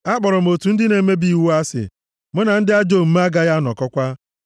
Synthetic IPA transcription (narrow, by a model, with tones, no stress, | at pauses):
a˦k͡pɔ˨ɾɔ˨m̩˨o˨tu˨n̩˦dɪ˦ne˨˦me˦bi˦˨wu˦a˦sɪ̰˨ | mʊ˦na˨n̩˦dɪ˦a˦d͡ʒo˦˨m̩˦m˦a˦ɡa˦ɣa˦nɔ̰˨kɔ˦kʷa˦